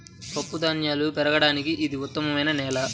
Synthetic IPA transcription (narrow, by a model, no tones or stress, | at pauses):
kɐpːud̪ɐnjaːlupɛɾɐɡɐɽaːnikiʔːd̪iut̪ːɐmɐmɐjnɐnɛːlɐ